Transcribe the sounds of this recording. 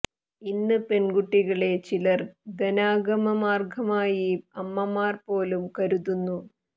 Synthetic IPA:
inːɨpenɡuʈːiɣɐɭe̞t͡ɕilɐrd̪ɐnaːɡɐmɐmaːrɡʱɐmaːjiɐmːɐmaːrpo̞ːlumkɐɾuðunːu

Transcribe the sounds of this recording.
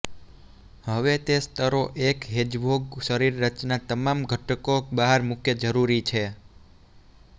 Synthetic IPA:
ɦəʋet̪est̪ʰəɾoʔekɦed͡ʒbʱoɡʃəɾiɾːət͡ʃnat̪əmamɡʱəʈəkobaɦəɾmukʰjəd͡ʒəɾuɾit͡ʃʰe

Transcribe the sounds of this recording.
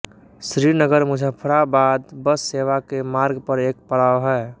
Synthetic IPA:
sɾinəɡəɾmʊd͡ʒʱəpʰɾabaːd̪bəsːeʋakemaːɾɡpəɾeːk̚pəɽaːwɦɛː

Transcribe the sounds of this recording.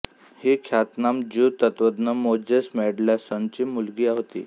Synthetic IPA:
hiːkʰjat̪namd͡ʑut̪ət̪ʋəd̪nəmod͡ʑəsmɛɽlasənt͡ɕiːmulɡiːaɦot̪ḭː

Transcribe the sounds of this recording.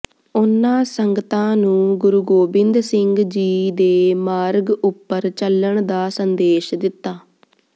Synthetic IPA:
ʊnːãːsəŋɡət̪ãːnũːɡʊɾuɡoːbɪnd̪sɪŋɡd͡ʒiːd̪eːmaːɾɡʊpːəɾt͡ʃəlːəɳd̪aːsənd̪eːʃd̪ɪt̪ːaː

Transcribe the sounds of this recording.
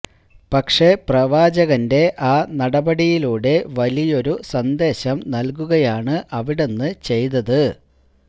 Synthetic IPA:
pɐkʂe̞prɐʋaːd͡ʑɐɣɐnde̞ʔaːnɐɽɐbɐɽijiluːɽe̞ʋɐlijo̞ɾusɐnd̪e̞ːɕɐmnɐlk̬uɣɐjaːɳɨʔɐʋiɽe̞nːɨt͡ɕe̞jt̪ɐðɨ

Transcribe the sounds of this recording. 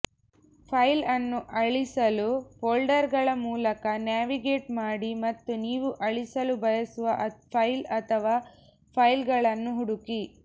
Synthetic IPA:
pʰɐjlɐnːuʔɐɭisɐluboːlɖɐɾɡɐɭɐmuːlɐkɐnjaːʋiɡeːʈmaːɽimɐt̪ːuniːʋuʔɐɭisɐlubɐjɐsuʋɐʔpʰɐjlɐt̪ʰɐʋaː | pʰɐjlɡɐɭɐnːuɦuɽuki

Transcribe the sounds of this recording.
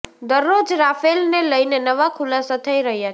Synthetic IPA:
d̪ʌrːod͡ʒɾapʰelneləjnenʌʋakʰulasʌt̪ʰəjɾəɦija

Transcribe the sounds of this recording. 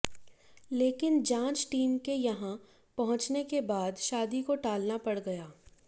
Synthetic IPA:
leːkɪnd͡ʒãːt͡ʃʈiːmkejɐɦã | pɐɦʊ̃t͡ʃnekebaːd̪ʃaːd̪ikoʈaːlnapɐɽɡɐjaː

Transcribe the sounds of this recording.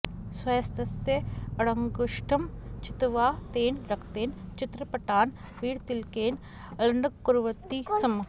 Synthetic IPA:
sʋɐːst̪ɐsjɐɐɽɐŋɡʊʃʈʰɐmt͡ʃɪt̪ʋaːt̪eːnɾɐkʰt̪eːnt͡ʃɪt̪ɾɐpɐʈaːn | ʋiːɽt̪ɪlkeːn | ɐlɐɳɖɐkːuɾʋɐt̪ːisɐm

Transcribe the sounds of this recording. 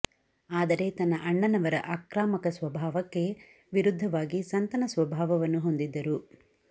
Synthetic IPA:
aːd̪ɐɾe̞t̪ɐnːɐʔɐɳːɐnɐʋɐɾɐʔaːkɾaːmɐkɐsʋɐbʱaːʋɐkːe̞ | ʋiɾud̪ʱːɐʋaːɡisɐnt̪ɐnɐsʋɐbʱaːʋɐʋɐnːuɦo̞nd̪id̪ːɐɾu

